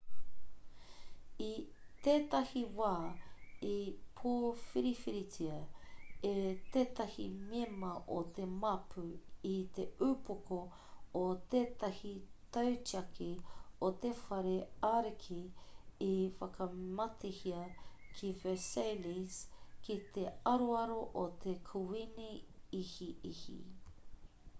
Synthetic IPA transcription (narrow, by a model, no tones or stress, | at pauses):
it̪eːt̪ɐhiwaːipʰoːfiɾifiɾitiɐet̪eːt̪ɐhimemɐʔot̪emɐpʰuit̪eupokoː | t̪eːt̪ɐhit̪ɐwt͡ʃiɐkʰiot̪efɐɾeaɾikʰiifɐkʰɐmɐt̪ʰehiɐkʰivəsejliskit̪eɐɾoɐɾoʔot̪ʰekʰuwiniihiʔihḭ